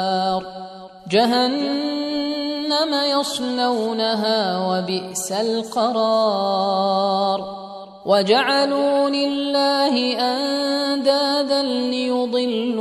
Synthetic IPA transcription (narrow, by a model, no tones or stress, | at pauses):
ɾ | d͡ʒaɦan | amajɑsˤnawnaɦaːwabɪʔsalqɑɾˤɑː | ɾˤ | wʔad͡ʒaʕaluːlɪlːaːhɪʔand̪aːd̪anːɪjʊd̪ˤɨlː